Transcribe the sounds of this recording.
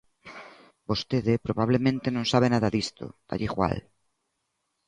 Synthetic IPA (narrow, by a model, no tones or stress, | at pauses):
b̥ost̪eðepɾoβaβ̞lemẽnt̪enõnsaβ̞enaðaðist̪o̰d̪̥a̰ʎixwa̰l